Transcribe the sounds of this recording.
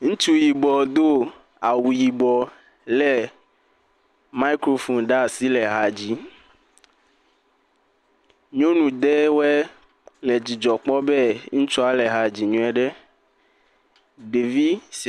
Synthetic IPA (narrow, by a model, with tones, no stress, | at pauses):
ŋũ˦t͡ʃu˦ji˨bɔ˨d̪o˦ | a˨wu˨ji˨bɔ˨ | lɛ˦ | ma˦i˦kɾo˦fo˨nɖa˦˨si˦lɛ˨ɦa˨d͡ʑi˦ | ɲõ˦nũ˨d̪e˦wɛ˦ | le˨d͡ʑi˨d͡ʒɔ˨k͡pɔ˦bɛ˦ŋũ˦t͡ʃɔ˦a˦le˨ɦa˨d͡ʑi˨ɲũ˦ɛ˨ɖɛ˦ | ɖe˨vi˦